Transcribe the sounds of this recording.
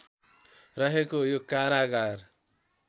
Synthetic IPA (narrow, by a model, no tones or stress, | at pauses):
ɾʌɦekojokaɾaɡaɾ